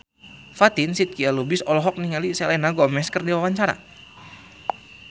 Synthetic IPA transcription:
fat̪insit̪̚kialubɪsɔlɔɦɔk̚niŋalisɛlɛnaɡɔmɛskərdiwawaɲt͡ʃaɾa̰

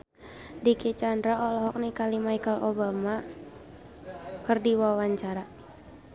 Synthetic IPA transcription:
diket͡ʃandɾaɔlɔɦɔk̚nikalimaikəlobama | kɨrdiwawaɲt͡ʃaɾa

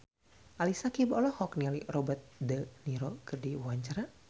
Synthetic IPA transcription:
ʔalisakibɔlɔhɔknialirɔbət̪̚dəniɾɔkɨrdiwaɲt͡ʃaɾa

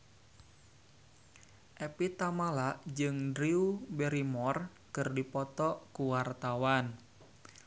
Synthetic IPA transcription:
ʔepit̪amalaʔd͡ʒɨŋdɾiubɛɾimɔr | kɨrdipɔt̪ɔʔkuwart̪awan

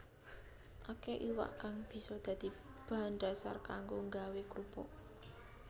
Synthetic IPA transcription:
ʔakeʔiwa̰ʔkaŋb̥i̤sɔd̪̥ä̤d̪̥i̤b̥a̤nɖ̪a̤sa̰rkaŋɡoŋɡawekɾupɔ̰

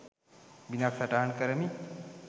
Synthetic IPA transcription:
binaksɐʈaɦɐɳkɐɾɐmi

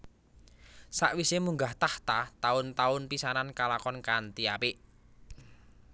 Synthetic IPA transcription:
sa̰ʔwisemuŋɡaht̪aht̪at̪aʊnt̪aʊnpisanankalakɔnkant̪iapɪʔ

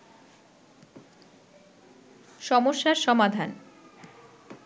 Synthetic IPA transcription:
ʃɔmoʃːaɾʃɔmad̪ʱan

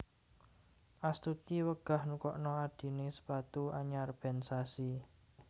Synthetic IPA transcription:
ʔast̪ut̪iwəɡ̥a̤hnukɔʔnɔaɖ̥i̤nesə̥pat̪ua̰ɲarb̥ɛ̤nsasi

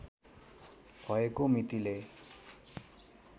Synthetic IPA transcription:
bʱʌekomit̪ile

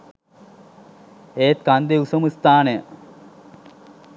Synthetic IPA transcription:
eːt̪̚kand̪eusɐmist̪aːne

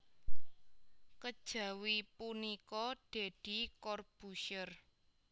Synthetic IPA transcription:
kəd̥ʒ̥a̤wipunikɔɖ̥e̤d̥i̤kɔrb̥uʃər

